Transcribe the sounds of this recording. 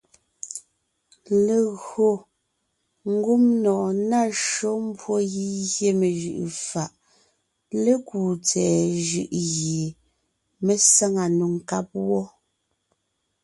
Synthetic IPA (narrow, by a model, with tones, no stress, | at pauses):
le˨ɣo˨ | ŋ̩˦ɡu˦mnɔː˨na˦˨ʃo˦m˦bwo˦ɣi˦ɣje˦me˨ʒʉ̰˨ʔfa˨ʔ | le˦kuː˨t͡sɛː˨ʒʉ˨ʔɣe˨ | me˦sa˦ŋa˨nu˨ŋ˨ka˦p̚wɔ˦